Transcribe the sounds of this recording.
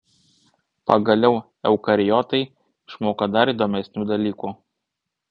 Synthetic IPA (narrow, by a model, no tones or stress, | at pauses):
pɐɡɐlʲɛʊ | ɛʊkɐɾʲɪjɔːt̪ɐɪ | ʃmoːkɐd̪ɐɾiːˑd̪oːmʲɛsʲnʲuːd̪ɐlʲiːkuː